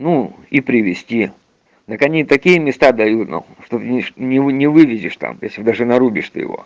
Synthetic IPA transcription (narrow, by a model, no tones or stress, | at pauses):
nu | ipɾʲɪʋʲɪsʲtʲi | d̪əkɐnʲit̪ɐkʲijəmʲɪst̪ad̪ɐjut̪nṵ | ʂt̪oʂnʲɪɨnʲɪvɨʋʲɪzʲɪʂt̪a̰mjesʲlʲɪd̪aʐɨnɐɾubʲɪʂt̪ɨ̰jɪ̰vo̞̰